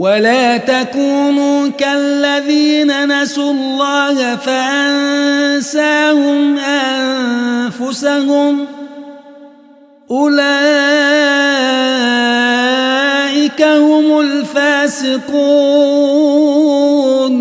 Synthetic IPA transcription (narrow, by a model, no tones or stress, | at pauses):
walaːt̪akuːnuːkalːaðiːnanasulːɑːhfaʔansaːhʊmʔannfʊsahʊm | ʔʊlaː | ʔɪkahʊmʊlfaːsɪquː | n